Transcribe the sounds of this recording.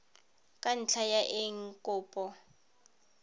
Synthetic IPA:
kʼan̩t͡ɬʰajaʔeŋ̩kʼɔːpʼɔ

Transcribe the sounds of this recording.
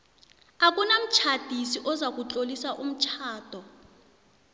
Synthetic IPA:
ak̬ʼunam̩t͡ʃʰad̥ʱisiʔɔzak̬ʼut͡ɬʼolisaʔum̩t͡ʃʰaːd̥ʱɔ

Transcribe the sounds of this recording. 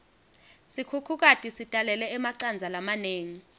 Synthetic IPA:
sikʰukʰuk̬atʼisitʼalɛlɛɛmaǀand͡zʱalamaneːŋi

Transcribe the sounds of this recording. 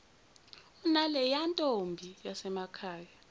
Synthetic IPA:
unalɛjantʼombʱijasɛmakʰaːja

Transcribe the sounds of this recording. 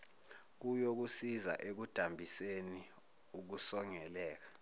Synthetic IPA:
k̬ujok̬usiza̰ʔek̬ud̥ʱambʱiseni | uk̬usɔŋɛlɛːk̬ḁ

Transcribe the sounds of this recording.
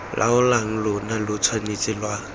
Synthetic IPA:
lʔa̰ʊlaŋ̩lʊnalʊt͡sʰwanet͡sʼɪlwa

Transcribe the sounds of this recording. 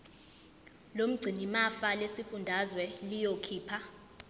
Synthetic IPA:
lom̩ɡ͡ǀʱinimafalesifundʱazwɛlijokʰiːpʰa

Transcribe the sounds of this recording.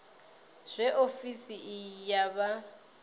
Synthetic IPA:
z̥ʷɛʔofisiʔjaβa

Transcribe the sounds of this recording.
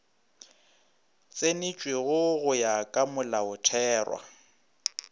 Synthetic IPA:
t͡sʼenɪt͡ʃʼweɣʊɣʊjakʼamʊlaʊtʰɛːrwa̰

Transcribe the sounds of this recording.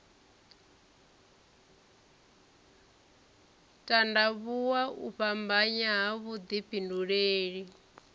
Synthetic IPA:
tʼandaβuwaʔṵɸambaɲaɦaβud̪ipʼinduɺeːɺi

